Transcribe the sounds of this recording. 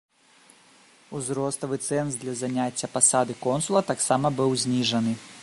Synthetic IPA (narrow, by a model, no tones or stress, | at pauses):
uzɾɔst̪ɐvɨt̪sɛnsd̪lʲɐzanʲat͡sʲːɐpasad̪ɨkɔnsulˠɐt̪aksamɐbɨwzʲnʲiʐɐnɨ